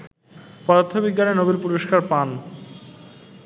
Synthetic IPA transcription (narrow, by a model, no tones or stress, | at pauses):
pɔd̪ot̪ʰːobiɡːanenobilpuɾoʃkaɾpan